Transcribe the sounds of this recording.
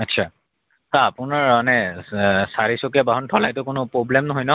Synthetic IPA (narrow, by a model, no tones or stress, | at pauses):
atːsʰa | saapʊnaɹanɛ | saɹisokijabaɦɔntʰɔlajtʊkʊnʊpɹoblɛmnɔɦojnɔ